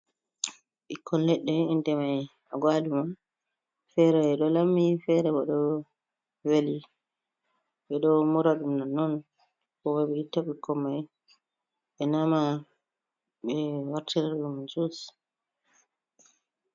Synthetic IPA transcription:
ʔikʰːɔnlɛɗːɛindɛmaj | aɡwaduma | fɛɾɛɛɗɔlamːifɛɾɛɓɔɗɔ | weli | ɓɛɗɔmuɾaɗumnanːɔn | kɔwɔɓɛitːaɓikʰːɔmːaj | ɓɛnama | ɓɛwaɾtiɾɛɾɗumad͡ʒus

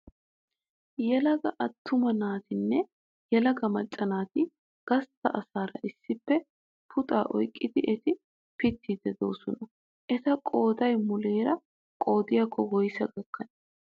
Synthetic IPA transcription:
jɛlɐɡɐʔɐt̪ːʊmɐnaːt̪ɪnːɛ | jɛlɐɡɐmɐt͡ʃʼːɐnaːt̪ɪ | ɡ̥ɐst̪ːɐʔɐsaːɾɐ̰ʔɪsːɪpːɛ | pʰʊt̪ʼaːʔɔ̰jkʼːɪd̪ɪʔɛt̪ɪ | pɪt̪ːid̪ɛd̪o̞̰ːsɔnɐ | ʔɛt̪ɐkʼoːd̪ɐjmʊleːɾɐ | kʼo̞ːd̪ɪjakːɔɡɔjsɐɡɐkːɐnɛ

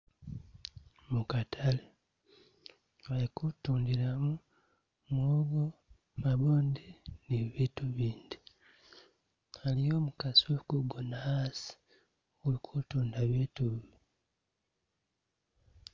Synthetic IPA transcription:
mukatʰale | walikutuːndiɾamu | mwoːɡo | maβoːndiniβiːtuβiːndi | alijo̞ːmukasuokuɡonahaːsi̥ | ulikʰutuːndaβiːtuβi

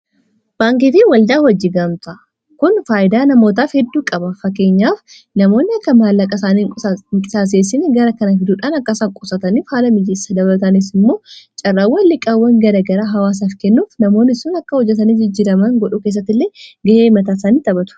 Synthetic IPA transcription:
b̥aːŋkifɪwɐld̪aːhɔd͡ʒːɪɡɐmt̪ɐ | kʊnfaːʔɪd̪aːnɐmo̞ːt̪̬aːfhɛd̪ːuːkʼɐbɐfɐkːe̞ːɲːaːf | nɐmo̞ːnːɪɐkːɐmaːlːɐkʼɐsaːniɪŋkʼɪsaːs̬eːsɪnɡɐɾɐkɐnɐfɪd̪uːᶑaːnɐkːɐsaːŋkʼʊsɐt̪ɐniːfhaːlɐmɪd͡ʒɪsɐd̪ɐbɐlɐt̪ɐnɪs̬ɪmːo̞ːt͡ʃʼɐrːaːwːɐlːɪkʼawːɐŋɡɐɾɐɡɐɾaɦɐwaːs̬aːfkɛnːuːfnɐmo̞ːnːɪsʊnɐkːɐhɔd͡ʒːɛt̪̬ɐniːd͡ʒɪd͡ʒːɪːɾɐmɐŋɡɔᶑʊkeːs̬ːɐt̪ːɪlːeːɡɐheːmɐt̪aːsaːniːt̪ɐbɐt̪ʊ̥

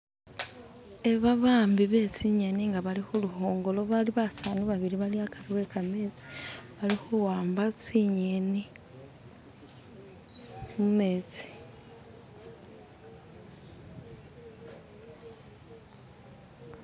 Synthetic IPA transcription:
e̞βaβaːmbiβe̞t͡siɲe̞niŋɡaβalixuluho̞ːŋɡo̞lo̞βaliβataːnuβaβiɾiβaliakʰaɾiwe̞kame̞ːt͡si̥βalixuwaːmbat͡siɲeni | mume̞ːt͡si̥

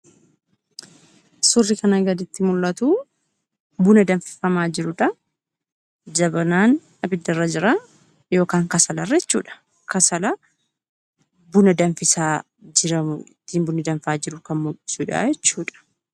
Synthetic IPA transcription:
sʊrːɪkɐnɐɡɐd̪ɪt̪ːɪmʊlːɐt̪uː | bʊnɐd̪ɐɱfɪ̥fɐmaːd͡ʒɪɾʊᶑɐ | d͡ʒɐbɐnaːn | ɐbɪd̪ːɐrːɐd͡ʒɪɾa | jo̞ːkaːŋkɐsɐlɐrːɐɛt͡ʃːuːᶑɐ̥ | kɐsɐlɐ | bʊnɐd̪ɐnfɪsaː | d͡ʒɪɾɐɪt̪ːiːmbʊnɪd̪ɐɱfaːd͡ʒɪɾʊkɐnmʊlɪ̥suːᶑa̰d͡ʒɛt͡ʃːuːᶑɐ̥

